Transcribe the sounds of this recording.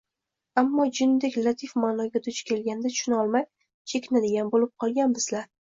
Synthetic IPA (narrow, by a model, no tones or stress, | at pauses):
amːɒd͡ʒɪnd̪ɪkʲlˠat̪ʰifmanɒɡʲad̪ʊt͡ʃkʲʰe̞lɡʲand̪at̪ʰʊ̥ʃʊnɒlˠmaj | t͡ʃʰe̞kʲʰɪnad̪ɪɡʲanbolɪp̚qʰɒlˠɡʲanbɪzlaɾ